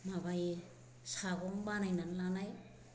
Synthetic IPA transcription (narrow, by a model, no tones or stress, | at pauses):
mabaj | saɡɔŋbanajnanlanaj